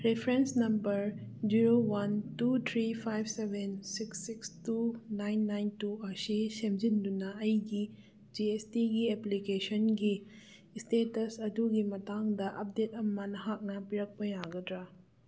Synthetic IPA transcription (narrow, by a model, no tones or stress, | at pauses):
ɾepʰɾensnɐmbɐɾd͡ʒiɾowɐntut̪ʰɾipʰajbʱsebʱensiksːikstunajnːajntuɐsisemd͡ʒindunɐɐjɡi | d͡ʒiestiɡieplikesɔnɡi | stetɐsɐduɡimɐtaŋdɐʔɐp̚det̚ɐmɐnɐɦak̚nɐpiɾɐk̚pɐjaɡɐdɾa